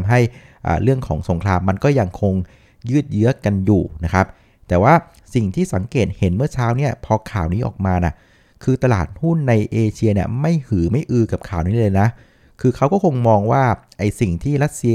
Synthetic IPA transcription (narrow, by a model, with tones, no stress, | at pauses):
mɦa˥˩j | ʔa̰ː˨˩ɾɯ˥˩əŋkʰɔ̰ː˩˦ŋso˨˩˦ŋkʰlaː˧mːa˧nkɔː˥˩ja˧ŋkʰo˧ŋ | jɯː˥˩t̪̚jɯ˦˥ɐka˧njuː˨˩na˦˥kʰa˦˥p̚ | t̪ɛː˨˩waː˥˩ | si˨˩ŋt̪ʰiː˥˩sa˩˦ŋkeː˨˩t̪̚he˩˦nmɯ˥˩ɐt͡ɕʰaː˦˥wni˥˩ɐpʰɔː˧kʰaː˨˩wniː˦˥ʔɔ̰ː˨˩k̚maː˧na̰˨˩ | kʰɯː˧t̪a˧laː˨˩t̪̚hu˥˩nːa˧jʔeː˧t͡ɕʰi˧əni˥˩ɐma˥˩jhɯː˩˦ma˥˩jʔɯː˧ka˨˩p̚kʰaː˨˩wniː˦˥lɤː˧jna˦˥ | kʰɯː˧kʰa˦˥wkɔː˥˩kʰo˧ŋmɔː˧ŋwaː˥˩ʔa˧jsi˨˩ŋt̪ʰiː˥˩ɾa˦˥t̪̚si˧